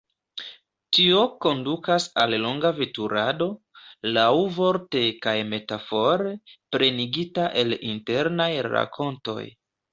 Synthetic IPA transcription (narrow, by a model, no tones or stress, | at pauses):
tio̞ko̞ndukasallo̞ŋɡavetuɾado̞ | lawvo̞ɾte̞kajme̞tafo̞ɾepɾe̞niɡitaʔe̞linte̞ɾnajɾa̰kʰo̞nto̞̰j